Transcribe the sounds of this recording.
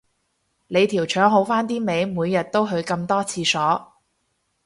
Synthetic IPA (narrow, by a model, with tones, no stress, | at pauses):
le˨˧jt̪ʰiː˨˩wt͡ʃʰœː˨˥ŋɦo˨˥wfaː˥nt̪iː˥me˨˧jmuː˨˧jːɐ˨t̚t̪o˥wɦɵ˨˧ɥkɐ˧mt̪ɔː˥t͡sʰiː˧sɔː˨˥